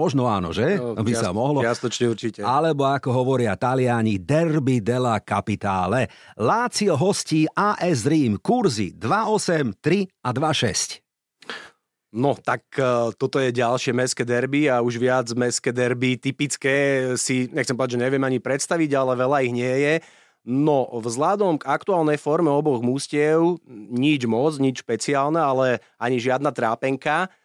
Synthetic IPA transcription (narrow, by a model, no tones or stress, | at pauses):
mɔʒnɔaːnɔ̰ʒɛbisamɔɦlɔast̪ɔt͡ʃɲɛuɾt͡ʃicɛalɛbɔakɔɦɔʋɔɾɪat̪alɪaɲid̪ɛrbid̪ɛlakapit̪a̰ːlɛlaːt͡siɔɦɔsciːʔaːʔɛzɾiːmkuɾzḭd̪ʋaɔsɛmt̪ɾiad̪ʋaʃɛ̰sc | nɔt̪akt̪ɔt̪ɔjɛɟalʃɪɛmɛskɛd̪ɛɾbiauʒʋɪad͡zmɛskɛːd̪ɛɾbit̪ipit͡skɛːsiɲɛxtt͡sɛmpɔd̪ad͡ʒʒɛɲɛʋɪɛmaɲipɾɛt̪st̪aʋiɟalɛʋɛʎaiɣɲɪɛjɛ | nɔvzlad̪ɔmɡak̚t̪uaːlnɛjfɔɾmɛɔbɔɣmuscɪɛʊɲid͡ʒmɔd͡zɲit͡ʃʃpɛt͡siaːlnɛalɛ | aɲiʒɪad̪nat̪ɾaːpɛŋka